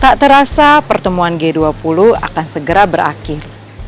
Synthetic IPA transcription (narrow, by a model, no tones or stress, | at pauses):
t̪aʔt̪əɾasapərt̪əmuanɡeduapulua̰kansəɡəɾabəɾʔa̰kɪr